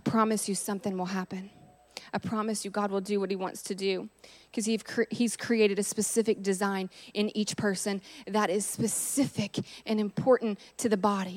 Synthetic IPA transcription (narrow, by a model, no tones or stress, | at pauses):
aɪpʰɹ̥ɑmɨsjɨsʌ̃mθɪ̃ŋwəlˠɦæpɨ̃n | aɪpʰɹ̥ɑmɨsjɨɡɑd̚wəlˠdɨwʌt̚hiwɑ̰̃ntstʰɨdʉkʰʌz̥iv̥ʰiz̥kʰɹ̥ieɪɾɨɾɨspɨsɪfɨk̚d̥ɨzãɪ̃nʔɨ̃nit͡ʃpʰɜ˞sɨ̃nðəɾɪz̥spɨsɪfɪkʔɨ̃nɨ̃mpʰɔɹʔn̩tʰɨðɨbɑɾi